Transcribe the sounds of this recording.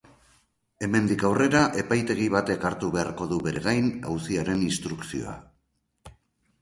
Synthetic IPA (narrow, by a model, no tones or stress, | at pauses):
e̞me̞nd̪ikawre̞ɾaʔe̞pajt̪e̞ɣ̞iβ̞at̪e̞kaɾt̪uβe̞aɾko̞ðuβe̞ɾeɣajna̰wsiaɾe̞ninst̪ɾuksio̞̰a̰